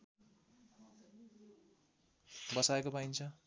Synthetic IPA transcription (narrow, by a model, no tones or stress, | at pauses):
bʌsaekopaint͡sʰʌ